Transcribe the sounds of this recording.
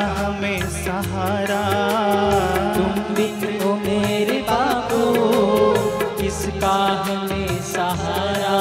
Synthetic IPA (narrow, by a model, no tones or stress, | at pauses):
ɦmẽ | sɐɦaːɾa | t̪ʊmbɪkomeːɾebaːpu | kɪskaɦ | mẽsɐɦaːɾa